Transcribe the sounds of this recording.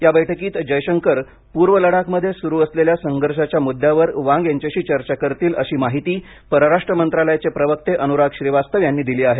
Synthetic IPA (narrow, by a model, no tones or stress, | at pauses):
jabəjʈʰəkiːt̪d͡ʑəjɕəŋkəɾ | puɾʋələɽakməd̪ʱːjesuɾuːəsleljasəŋɡʱəɾʂat͡ɕjamud̪ʱːjaʋəɾʋãŋɡjaɲt͡ɕaɕiːt͡ɕəɾt͡ɕakəɾt̪iːləɕiːmaɦit̪iː | pəɾəɾaʂʈɾəmənt̪ɾaləjat͡sepɾəʋək̚t̪eʔənuɾaɡɕɾiʋast̪əʋjanːiːd̪iliːaɦe